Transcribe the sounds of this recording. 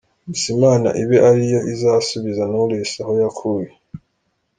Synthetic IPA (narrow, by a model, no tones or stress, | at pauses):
isimaːna̰ʔiβeʔaɾijo̞ʔizaːsuβizanolesaho̞jakʰuːje